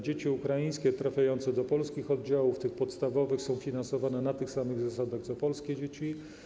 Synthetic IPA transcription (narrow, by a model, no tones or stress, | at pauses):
d͡ʑet͡ɕiukɾajĩj̃skʲɛt̪ɾafʲjajɔnt̪sɛd̪ɔpɔlskʲixɔd̪̚d͡ʑawuft̪ɘxpɔt̪st̪avɔvɘxsɔ̃w̃fʲinansɔvanɛnat̪ɘxsamɘɣzasad̪aɣt̪sɔpɔlskʲɛd͡ʑet͡ɕi